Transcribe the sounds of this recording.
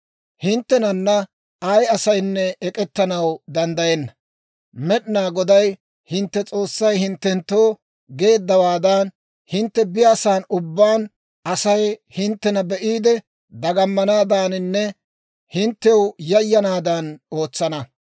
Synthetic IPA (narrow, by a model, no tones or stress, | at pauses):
hɪnt̪ːɛnɐnːɐ | ɐjɐsɐjnːɛɛkʼɛt̪ːɐnɐwd̪ɐnd̪ɐjɛnːɐ | mɛɗɪnaːɡɔd̪ɐj | hɪnt̪ːɛt͡sʼo̞ːsːɐjhɪnt̪ːɛnt̪ːoː | ɡe̞ːd̪ːɐwaːd̪ɐn | hɪnt̪ːɛbɪjaːsaːnʊbːaːn | ɐsɐjhɪnt̪ːɛnɐbɛʔiːd̪ɛ | d̪ɐɡɐmːɐnaːd̪aːnɪnːɛ | hɪnt̪ːɛwjɐjːɐnaːd̪ano̞ːt͡sːɐnɐ